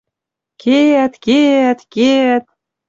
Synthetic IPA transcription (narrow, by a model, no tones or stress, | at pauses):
kʰet̪ket̪ket̪̚